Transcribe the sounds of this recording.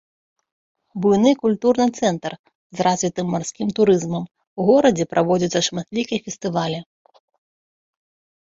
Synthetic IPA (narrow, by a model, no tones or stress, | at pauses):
bujnɨkulʲt̪urnɨt̪sɛnt̪r | zrazʲvʲit̪ɨmːarsʲkʲimt̪uɾɨzmɐm | uɣɔɾɐd͡zʲɛpɾʔavɔd͡zʲɐt̪sːɐʂmat̪lʲikʲijfʲɛst̪ɨvalʲi